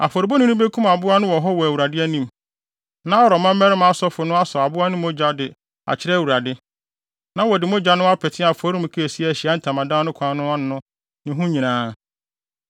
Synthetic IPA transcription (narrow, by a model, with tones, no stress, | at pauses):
a̰˨fɔ˨ɾi˨bɔ˦nʊ̃˦nʊ̃˦be˦kʰũ˦ma˨bʊ˦a˦nʊ̃˦wɔ˨ɦɔ˦wɔ˨æ˨wu˨ɾa˨dɪ˦æ˦nĩ˦m | nã˦ɔ˦ɾɔ˨mã˦m˦mɛ˦ɾɪ˦m˦a˦sɔ˦fʊ˨nʊ̃˦a˦sɔ˨a˨bʊ˦a˦nʊ̃˦mõ˦d͡ʑa˦dɪ˨ | a̰˨t͡ɕʰɪ˦ɾɛ˦æ˨wu˨ɾa˨dɪ˦ | nã˦wɔ˨dɪ˨mõ˦d͡ʑa˨˦nʊ̃˦a˦pʰɛ˨tʰɪ̃˦a˨fɔ˨˦ɾĩ˦m̩˨kʰi˦æ˨si˦ɛ˨æ˨ɕi˨a˦n̩˨tʰã˨mã˨dã˦nʊ̃˦kʷʰã˨˦nʊ̃˦a˦nʊ̃˨˦nʊ̃˦ | nɪ̃˨ɦũ˦ɲĩ˨nãː˦